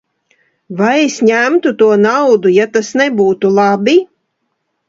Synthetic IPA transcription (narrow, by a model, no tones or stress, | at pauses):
vajesʲɲæmt̪ut̪uɔnawd̪ujat̪asnɛbuːt̪ulˠabi